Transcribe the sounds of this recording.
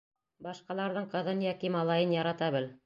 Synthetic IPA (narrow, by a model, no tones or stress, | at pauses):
bɑʃqɑlˠɑɾðɤɴqɤ̆ðɤnjɒkimɑlˠɑjɤnjɑɾɑt̪ɑbɘl